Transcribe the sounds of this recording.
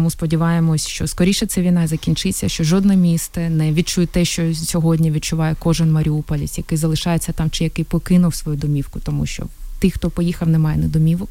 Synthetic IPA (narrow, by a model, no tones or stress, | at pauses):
muspɔdʲiʋɑjemɔsʲʃt͡ʃɔskɔɾʲiʃɛt̪sɛʋʲinɑzɐkʲinʲt͡ʃɪt͡sʲːɐʃt͡ʃɔʒɔd̪nɛmʲist̪ɛnɛʋʲid̪̚t͡ʃujt̪ɛʃt͡ʃɔsʲɔɦɔdʲnʲiʋʲid̪̚t͡ʃʊʋɑjɛkɔʒɪnmɐɾʲiupɔlʲḭsʲjɐkɪjzɐlˠɪʃɑjet͡sʲːɐt̪ɑmt͡ʃɪjɐkɪjpɔkɪnʊwsʋɔjud̪ɔmʲiwkʊt̪ɔmuʃt͡ʃɔ̰t̪ɪxt̪ɔpɔjixɐwnɛmɑjɛnɛd̪ɔmʲiʋɔk